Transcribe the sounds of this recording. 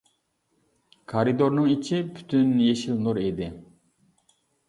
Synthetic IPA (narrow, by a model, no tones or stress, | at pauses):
kʰaɾid̪oɾnɨŋit͡ʃʰipʰy̥t̪ʰynjeʃilnuɾed̪ɪ